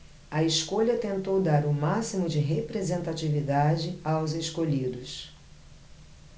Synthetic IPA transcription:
ɐeskoʎɐt̪ẽnt̪owd̪aɾʊmasimʊd͡ʒɪɦepɾezẽnt̪at͡ʃivid̪ad͡ʒɪawzeskoʎid̪ʊs

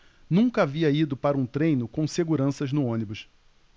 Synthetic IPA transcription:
nũkɐaviɐid̪ʊpaɾɐũt̪ɾẽjnʊkõseɡuɾɐ̃sɐznʊõnibʊs

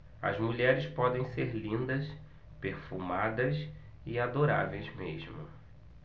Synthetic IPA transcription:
ɐ̰zmuʎɛɾɪspɔd̪ẽj̃seɾlĩnd̪ɐs | peɾfumad̪ɐs | iad̪oɾa̰vejzmḛʒmʊ̰

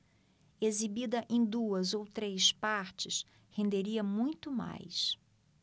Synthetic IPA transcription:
ezibid̪ɐʔẽj̃d̪uɐzowt̪ɾejspaɾt͡ʃɪs | hẽnd̪eɾiɐmũj̃t̪ʊma̰js

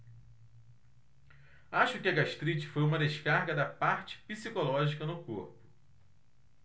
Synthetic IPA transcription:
aʃʊkɪɐɡaʃt̪ɾit͡ʃɪ̥fojũmɐd̪eʃkaɾɡɐd̪ɐpaɾt͡ʃɪ̥pisikolɔʒikɐnʊkoɾpʊ̥

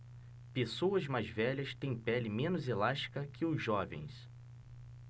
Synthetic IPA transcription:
pesowɐzmajzvɛʎɐst̪ẽj̃pɛlɪmẽnʊzelaʃt͡ʃi̥kɐkʰɪʊzʒɔvḛ̃j̃s

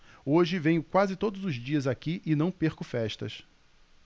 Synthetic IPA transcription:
oʒɪvẽj̃ʊkwazɪt̪od̪ʊzʊzd͡ʒiɐzakiʔɪnɐ̃w̃peɾkʊfɛʃt̪ɐ̰s

